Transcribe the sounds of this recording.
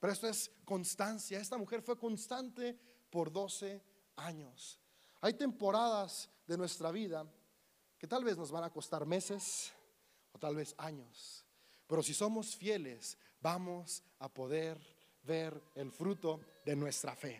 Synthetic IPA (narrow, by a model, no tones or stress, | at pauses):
peɾoe̞st̪oe̞sko̞nst̪ansjae̞st̪amuxe̞ɾfwe̞ko̞nst̪ant̪e̞ | po̞ɾðo̞se̞ | aɲo̞s | ajt̪e̞mpo̞ɾaðaz | ðe̞nwe̞st̪ɾaβiða | ke̞t̪alβe̞zno̞zβanako̞st̪aɾme̞ses | ot̪alβe̞saɲo̞s | pe̞ɾo̞siso̞mo̞sfje̞le̞sbamo̞s | apo̞ðeɾ | βe̞ɾelfɾut̪o̞ðe̞nwe̞st̪ɾafe̞